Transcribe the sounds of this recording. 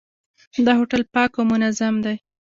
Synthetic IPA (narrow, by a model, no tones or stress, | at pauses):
d̪əɦoʈalpɑkomʊnazamd̪aj